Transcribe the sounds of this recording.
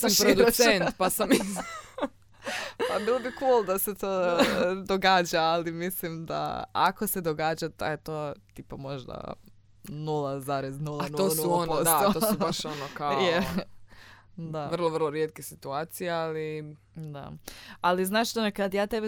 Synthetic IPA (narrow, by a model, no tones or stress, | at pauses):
samʃpɾoid̪usent̪pasamiz | pabiːlˠobikulˠd̪ase̞t̪oːd̪oɡaːd͡ʑaːlimislimd̪a̰a̰ko̞se̞d̪oɡaːd͡ʑat̪a̰jet̪ot̪iːpamo̞ʒd̪a̰ | nulˠazaɾeznulˠanoːsuonpoosaooubaʃonokajoe | d̪aʋr̩lˠoʋr̩lˠoɾjet̪̚kesit̪uaːt̪sijeali | d̪a̰aliznaːʃt̪onekad̪jaːt̪ebe